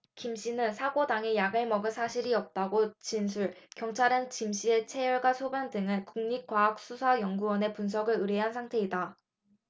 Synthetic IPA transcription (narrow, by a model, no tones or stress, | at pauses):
kimɕ͈inɯnsʰaɡodaŋe̞jaɡeɭmʌɡɯsʰaɕʰiɾiʌp̚t͈aɡot͡ɕins̬ʰuɭkjʌŋt͡ɕʰaɾɯnt͡ɕimɕ͈ie̞t͡ɕʰe̞jʌɭɡwasʰobjʌndɯŋɯɭkuŋɲik͈waːk̚s͈usʰajʌŋɡuwʌne̞puns̬ʰʌɡɯɾɯɾe̞ɦansʰaŋtʰe̞ida